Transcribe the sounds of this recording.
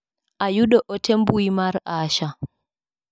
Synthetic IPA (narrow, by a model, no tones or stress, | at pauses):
ʔajuɗɔʔɔtʰembuimaɾaːʃa